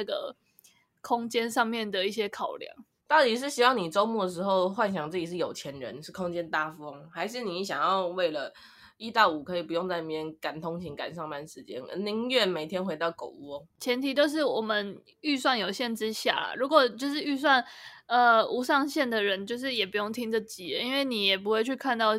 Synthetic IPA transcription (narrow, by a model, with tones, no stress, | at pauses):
nə˥˩ɡə̰˩ | kʰʊ˥ŋt͡ɕjɛ˥nʂɑ˥˧ŋmjɛ˥˩nd̪ə˩i˥˩ɕ̬jɛ˥kʰɑ˨˩ʊljɑ̰˨˩˦ŋ | t̪ɑ˥˩ʊt̪i˨˩ʂ̬ɻ̩˥˩ɕi˥wɑ˥˩ŋni˨˩ʈ͡ʂo˥ʊmu˥˩d̪ə˩ʂ̬ɻ̩˧˥˦xo˥˧ʊxwa˥˩nɕ̬jɑ˨˩ŋt͡s̩˥˩t͡ɕi˨˩ʂ̬̩˥˩jo˨˩ʊt͡ɕʰjɛ˨˧˦nɻə̰˧˦nʂɻ̩˥˩kʰʊ˥ŋt͡ɕjɛ˥nt̪a˥˧fo˦˥ŋxa˧˥ɪʂ̬ɻ̩˥˩ni˨˥˨ɕjɑ˨˩ŋjɑ˥˧ʊwe˥˩ɪlə˩ | i˥t̪a˥˩ʊu˨˩kʰɤ˧˥i˨˩pu˧jo˥˧ŋt͡sa˥˧ɪni˨˩mjɛ˥nka˨˩nt̪ʰo˥ŋt͡ɕʰi˧˥ŋka̰˨˩nʂɑ˥˧ŋma˥˩nʂɻ̩˧˦t͡ɕjɛ̰˥nə̰˧˥ni˧˥ɥɛ˥˩nme˨˩ɪt̪ʰjɛ˥nxwe˧˥ɪt̪ɑ˥˩ʊko̰˨˩ʊwɔ˦t͡ɕʰjɛ˧˥nt̪ʰi˨˥t̪jo˥˧ʊʂ̬ɻ̩˥˩wɔ˨˩mə˨˦n | y˥˧s̬wa˥˩njo˨˩ʊɕjɛ˥˩nʈ͡ʂɻ̩˥ɕja̰˥˩ɻu˧˥kwɔ˨˩t͡ɕjo˥˧ʊʂ̬ɻ̩˥˧y˥˧s̬wa˥˩n | ə˧u˧˥ʂɑ˥˧ŋɕjɛ˥˩nd̪ə˩ɻə˧˦nt͡ɕjo˥˧ʊʂ̬ɻ̩˥˩jɛ˨˩pu˧˥jo˥˩ŋt̪ʰi˥ŋd͡zə˨t͡ɕi˨˥˦i˥nwe˥˩ɪni˨˩jɛ˨˩p̬u˧˥xwe˥˧ɪt͡ɕʰy˥˧kʰa˥˧nt̪ɑ˥˧ʊ